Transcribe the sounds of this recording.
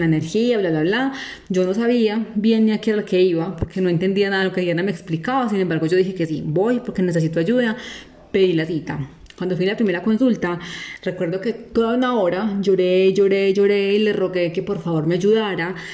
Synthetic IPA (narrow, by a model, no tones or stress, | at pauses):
laene̞ɾxiaβlaβlaβla | d͡ʒo̞no̞s̬aβiabje̞niakeeɾaloke̞iβapoɾkeno̞e̞nt̪e̞nd̪ianaðalo̞kejanameːksplikaβas̬inembaɾɣo̞d͡ʒo̞ðixeke̞sḭbo̞jpo̞ɾke̞nes̬es̬it̪oad͡ʒuða | pe̞ðilasit̪a | kwand̪ofilapɾime̞ɾako̞nsult̪are̞kwe̞ɾd̪o̞ke̞t̪o̞ðaunao̞ɾad͡ʒo̞ɾe̞d͡ʒo̞ɾe̞d͡ʒo̞ɾe̞ile̞ro̞ɣe̞ke̞po̞ɾfaβo̞ɾme̞ad͡ʒuðaɾa